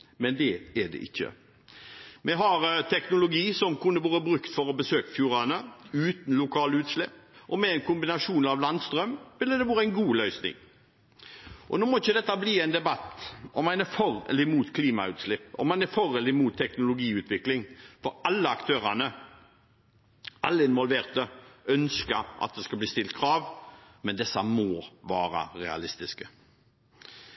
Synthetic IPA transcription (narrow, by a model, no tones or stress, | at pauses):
mɛnd̪ɛɛɖɛ̰ʔɪçːə̰ | mʔɛɦɑɾt̪ʰɛknʊlʊɡiːsɔmkʰʉnːəʋɑːɾəbɾʉkt̪fɔɾɔbəsøːkəfjuːɾɑnəʉːt̪n̩lʊkʰɑːləʉːt̪slɛpːʔɔmɛɪnkʰʊmbɪnɑʂuːnɑʋlɑnd̪st̪ɾœmʋɪlːəd̪ɛʋɑːɾəæɪnɡuːlœʏsnɪ̰ŋ | ʔɔ̰noːmɔɪçːəd̪ɛt̪ːɑbliːæɪnd̪ɛbɑt̪ːɔmɑnɛfɔɾɛ̰lɪmuːt̪kʰliːmɑʉːt̪slɪpːɔ̰mːɑnɛɾfɔɾɛlɪmuːt̪ʰːɛknʊlʊɡiːʉːt̪ʰʋɪklɪŋfɔɾɑlːəɑkt̪ʰøːɾɑnə | ɑlːəɪnʋɔlʋeːʁt̪əœnskəɾʔɑ̰t̪̚d̪ɛskɑbliːst̪ɪlt̪̚kʰɾɑːʋmɛnd̪ɛsːɑmɔːʋɑːɾə̰ɾɛɑ̰lɪst̪ɪskə